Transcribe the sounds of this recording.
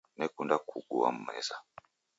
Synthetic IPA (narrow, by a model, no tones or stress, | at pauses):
nɛkundakʰuɡuwa̰m̩mɛ̰za